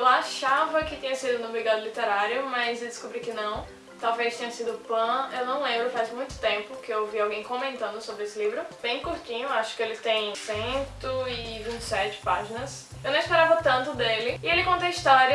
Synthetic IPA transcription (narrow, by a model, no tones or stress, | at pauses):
ewaʃavɐkɪt̪ĩɲɐsid̪ʊnʊbɾiɡad̪ʊlit̪eɾaɾjʊmɐzewd̪ɪskubɾikɪnɐ̃w̃ | t̪awvejst̪ẽɲɐsid̪ʊpɐ̃ewnɐ̃w̃lẽmbɾʊfajzmũj̃t̪ʊ̥t̪ẽmpʊkɪewviawɡẽj̃kõmẽnt̪ɐ̃nd̪ʊsobɾɪesɪlivɾʊb̥ẽj̃kuɾtĩɲʊaʃʊ̥kɪelɪt̪ẽj̃sẽt̪ʊɪvĩt͡ʃɪ̥sɛt͡ʃɪ̥pa̰ʒinɐs | ewnɐ̃w̃ispeɾavɐt̪ɐ̃nt̪ʊd̪elɪɪelɪkõnt̪ejiʃt̪ɔɾɐ